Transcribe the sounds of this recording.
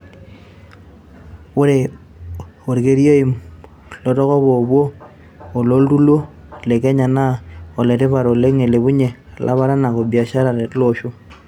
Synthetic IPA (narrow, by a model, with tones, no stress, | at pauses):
u˦ɾe | o˨ɾi˨ke˨˦ɾi˦o˦i˨m | lo˦to˦ɣo˦βo˨βwo˦ | o˨lo˦ltu˦lwo˦ | le˨ke˦ɲa˨na˦o˨le˨te˦βa˨ɾo˨le˦ŋe˨le˨βu˦ɲe˨a˨lʔa̰˦βa˦ɾa˦na˨ko˨bja˨ʃa˦ɾa˨ɾe˨lo˦ʃo˦